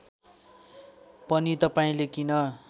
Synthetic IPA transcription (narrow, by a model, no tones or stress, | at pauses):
pʌnit̪ʌpaĩlekinʌ